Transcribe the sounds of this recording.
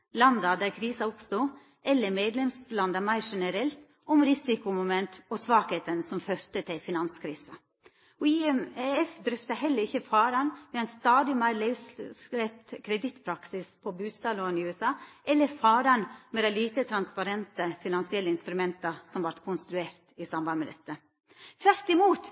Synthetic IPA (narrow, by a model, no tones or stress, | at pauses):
lɑnd̪ɑd̪æːɾkʰɾiːsɑʊpst̪uː | ʔɛlːəɾmeːd̪lɛmslɑnd̪ɑmæɪɾʂɛnəɾɛlt̪ | ɔmɾɪsɪkʊmʊmɛnt̪ɔsʋɑːkeːt̪ənsɔmføɾt̪ət̪ʰɪlfɪnɑnskʰɾiːsə | ɔiɛmɛɛfd̪ɾœft̪əhɛlːəɾɪçːəfɑːɾɑnʋɛæɪnst̪ɑːd̪ɪmæɪɾlæɪʋsslɛp̚t̪kʰɾɛd̪ɪt̪pʰɾɑksɪspʰɔbʉːst̪ɑːloːənɪʉɛsɑːʔɛlːəɾfɑːɾɑnmɛd̪æɪliːt̪ət̪ʰɾɑnspɑɾɛnt̪əfɪnɑnsɪɛlːəɪnst̪ɾʉmɛnt̪ɑsɔmʋɑɾt̪kʰʊnst̪ɾʉeːɾt̪ɪsɑmbɑnmɛd̪ɛt̪ːə | t̪ʰʋæɾt̪ɪmuːt̪